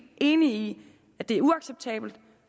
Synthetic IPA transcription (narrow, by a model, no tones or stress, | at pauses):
ʔe̝ːnii | æd̥e̝æɐuɑ̈ɡ̥seb̥̚t͡sʰɛ̰ːb̥l̩d̥